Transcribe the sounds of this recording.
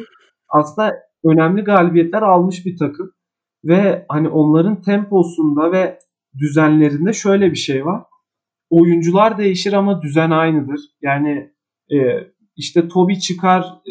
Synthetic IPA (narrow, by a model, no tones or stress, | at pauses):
aslˠɯnd̪a | ø̞næmlʲiɡaːlʲibijɛt̪ʰlʲæɾalˠmɯʃbit̪ʰakʰɯm | vɛhaniʔo̞nlˠaɾɯnt̪ʰɛmposund̪avɛ | d̪yzænlʲe̞ɾind̪ɛʃø̞jlʲɛbiʃejvaɾ̥ | o̞jund͡ʒulˠaɾd̪e̞jiʃiɾamad̪yzænajnɯd̪ɯɾ̥jaːnɪ | iʃt̪ʰɛt̪ʰo̞bit͡ʃʰɯkʰaɾ